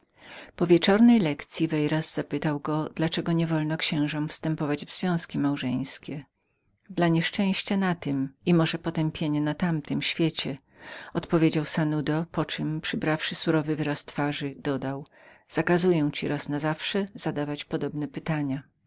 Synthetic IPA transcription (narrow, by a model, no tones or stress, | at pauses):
pɔvʲjet͡ʂɔɾnɛjlɛkt̪sʲjivɛjɾasz̥apɘt̪awɡɔd̪̥lat͡ʂɛɡɔɲɛvɔlnɔkɕɛ̃w̃ʐɔ̃mfst̪ɛmpɔvad͡ʑvzvʲjɔ̃w̃skʲimawʐɛ̰j̃skʲɛ | d̪laɲɛʂt͡ʂɛ̃w̃ɕt͡ɕanat̪ɪmimɔʐɛpɔt̪ɛmpʲjeɲɛnat̪amt̪ɨmɕfʲjet͡ɕɛ | ɔt̪pɔvʲjed͡ʑawsanud̪ɔpɔt͡ʂɨmpʂɘbɾafʂɘsuɾɔvɘvɘɾast̪faʐɘd̪ɔd̪awz̥akazujɛw̃t͡ɕiɾʔasnazafʂɛz̥ad̪avat͡ɕpɔd̪ɔbnɛpɘt̪aɲa